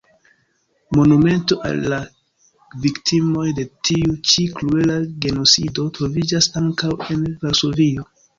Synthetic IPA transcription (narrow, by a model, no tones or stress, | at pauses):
mo̞nume̞nto̞ʔa̰lːa | viktʰimo̞jde̞tiut͡ʃikluelaɡe̞no̞t͡ssido̞tɾo̞vid͡ʒasaŋkawe̞nvalso̞vio̞